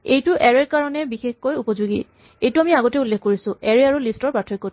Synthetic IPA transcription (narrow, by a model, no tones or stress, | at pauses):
ejtʊʔɛɹeɹkaɹɔnɛbixexkojupɔzuɡḭ | ejtʊamiaɡɔtɛulːexkoɹisʊ̃ɛɹeaɹulistɔɹpatʰɔkːo